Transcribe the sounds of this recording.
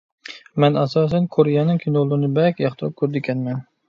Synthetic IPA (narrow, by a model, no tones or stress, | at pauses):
mɛnæsɑːs̬ɛnkʰoɾjanːɪŋkʲʰɪnolˠɪɾnɪbɛkʲjɑχt̪ʰp̚kʰːøɾd̪ɪkʲʰɛnmɛn